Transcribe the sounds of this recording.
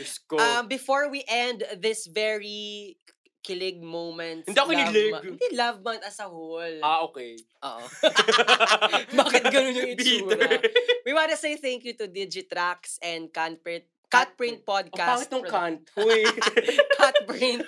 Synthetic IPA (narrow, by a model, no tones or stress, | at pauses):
ʊskoɐmbɪfoɹwiʔɛ̃nd̪ðɪsvɛɹi | kɪlɪɡ̚mõwmɛ̃nt̪ɪnd̪iɐkonɪlɪɡd̪ilavmat̪ɐsɐholaʔoːkɛj | ʔo̰ʔ | baːkɪt̪ɡɐnõnjʊ̃ŋɪiulwiwãnt̪ɐsejθæŋkjut̪ʊd̪id͡ʒɪt̪ɾaksɛ̃nd̪̚kan̚pɹɪt̪̚kat̪̚bɹɪ̃nt̪̚pad̪̚kkasakɪt̪nʊŋkant̪hʊjkʰat̪̚pɹɪ̃nt̪̚